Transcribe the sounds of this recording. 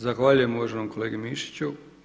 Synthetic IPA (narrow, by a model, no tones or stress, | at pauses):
zaxʋaːʎujemuʋaʒenomko̞leːɡemiʃi̥t͡ɕu